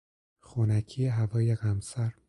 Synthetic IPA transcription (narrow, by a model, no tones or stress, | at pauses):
xunæcʰijeɦævɒːjeɣæmsæɾ